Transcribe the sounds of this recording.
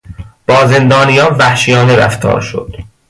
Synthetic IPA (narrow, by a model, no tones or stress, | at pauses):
b̥ɒːze̞nd̪ɒːnijɒːnvæhʃijɒːneɾæ̰ft̪ʰɒ̰ːɾʃo̞̰d̪̥